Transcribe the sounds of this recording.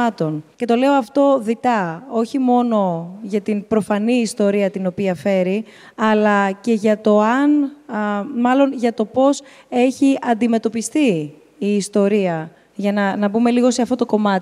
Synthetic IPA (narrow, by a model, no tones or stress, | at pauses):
ɐt̪o̞nce̞t̪o̞le̞o̞ɐft̪o̞ðit̪ɐo̞çimo̞no̞ʝɐt̪inpɾo̞fɐniːst̪o̞ɾiɐt̪ino̞piɐfe̞ɾi | ɐlɐce̞ʝɐt̪o̞ɐn | mɐlo̞nʝɐt̪o̞po̞s | e̞çiɐnd̪ime̞t̪o̞pist̪iː | st̪o̞ɾiɐ | ʝɐnɐnɐbume̞liɣose̞ɐfto̞t̪o̞ko̞mɐt̪